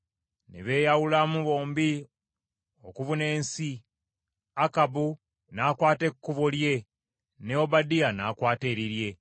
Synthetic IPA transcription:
nḛβe̞ːjawulamuβo̞ːmbi | okuvune̞ːnsi | akabu | naːkwaːte̞kːuβolje̞ | neobadianakwaːte̞ːɾiɾje̞

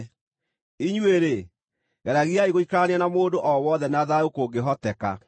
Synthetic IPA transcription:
iɲweɾe | ɣɛɾaɣiaiɣoikɾaneanamoːdoʔɔwɔðɛnaðaokoɡeɦɔtɛka̰

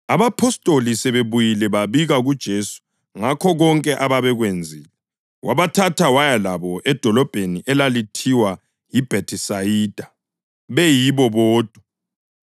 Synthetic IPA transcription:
aβapʰɔstʼolisɛβeβujilɛβaβiɣaɣud̥ʒ̥ʱesu̥ | ŋakʰɔɣɔŋkʼɛʔaβaβɛɣwend͡zʱiːlɛ | wʔaβatʰatʰawajalaβɔɛd̥ʱɔlɔb̥ʱeniʔɛlalitʰiwa | jib̥ʱetʰisajid̥ʱa | βɛjiβɔβɔːd̥ʱwa

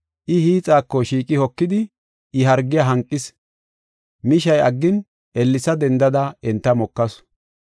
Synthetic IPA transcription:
ʔɪhiːt͡sʼaːkːɔʃiːkʼɪhɔkːɪd̪ɪ | ɪɦɐɾɡːɪjaɦɐŋkʼːɪs | mɪʃɐjɐɡːɪn | ʔɛlːɪsɐd̪ɛnd̪ɐd̪ɐɛnt̪ːɐmɔkːɐs

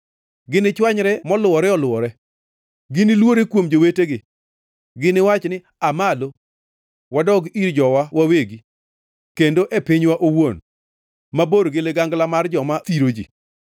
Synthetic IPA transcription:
ɡɪnɪt͡ʃwaɲɾɛmɔlʊɔɾɛɔlʊɔɾɛ | ɡɪnɪlwoɾekwomd͡ʒoweteɡɪ | ɡɪnɪwat͡ʃnɪ | amalo | wadɔɡiɾd͡ʒɔwawaweɡi | kendoʔepiɲwaʔowon | maboɾɡɪleɡaŋɡlamard͡ʒɔmat̪iɾod͡ʒḭ

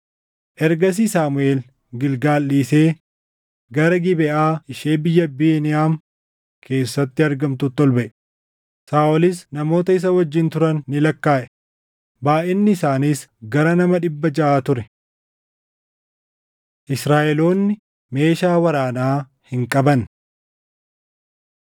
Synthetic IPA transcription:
ʔɛɾɡɐs̬isaːmʊe̞ːl | ɡɪlɡaːlːiːseː | ɡɐɾɐɡɪbɛʔaːɪʃeːbɪjːɐbiːnɪaːm | kʰe̞ːsːɐt̪ːɪɐɾɡɐmt̪ʊt̪ːɔlbɐʔɛ | saːʔɔlɪsnɐmo̞ːt̪ɐɪs̬ɐwɐd͡ʒːɪnt̪ʊɾɐnːɪlɐkːaːʔɛ̥ | baːʔɛnːɪːsaːniːsɡɐɾɐnɐmɐᶑɪbːɐd͡ʒɐʔaːt̪ʊɾɛ | ʔɪsɾaːʔɛlo̞ːnːɪ | me̞ːʃaːwɐɾaːnaː | hɪŋkʼɐbɐn

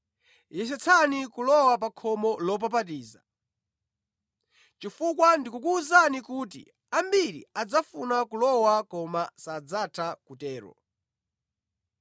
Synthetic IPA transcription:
jɛsɛt͡sʰanikulɔwap̬akʰɔmɔlɔp̬ap̬at̬iːza̰ | t͡ʃifukwandikukuːzanikuːt̬ḭ | ambiɾḭad͡zafunakulɔwakɔmasad͡zatʰakutɛːɾɔ̰

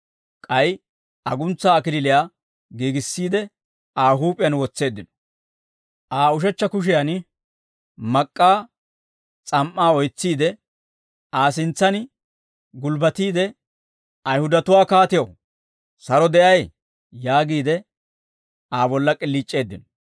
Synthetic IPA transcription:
kʼɐj | ɐɡʊnt͡sːaːkɪlɪlɪjaː | ɡiːɡɪsːiːd̪ɛ | aːɦuːpʼɪjɐnwɔt͡sːe̞ːd̪ːɪnɔ̥ | ʔaːʊʃ̬ɛt͡ʃːɐkʊʃ̬ɪjan | mɐkʼːaː | t͡sʼɐmʔːaːɔjt͡sːiːd̪ɛ | aːsɪnt͡sːɐn | ɡʊlbɐt̪iːd̪ɛ | ɐjhʊd̪ɐt̪ʊwaːkaːt̪ɪjɐw | sɐɾɔd̪ɛʔɐj | jaːɡiːd̪ɛ | aːbɔlːɐkʼɪlːiːt͡ʃʼːe̞ːd̪ːɪnɔ̥

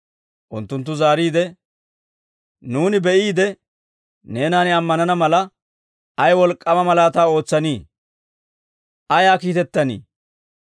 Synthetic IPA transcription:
ʔʊnt̪ːʊnt̪̬ːʊzaːɾiːd̪ɛ | nuːnɪbɛʔiːd̪ɛ | ne̞ːnaːnɪɐmːɐnɐnɐmɐlɐ | ɐjwɔlkʼːɐmɐmɐlaːt̪aːo̞ːt͡sːɐniː | ʔɐjaːkiːt̪ɛt̪ːɐnḭː

